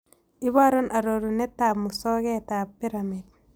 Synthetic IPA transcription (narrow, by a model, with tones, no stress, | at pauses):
i˦βa˦ɾo˦nʔa˨ɾo˨ɾunɛ˦tːa˨mu˨sɔ˦ɡɛ˦ta˨pːi˦ɾamid̚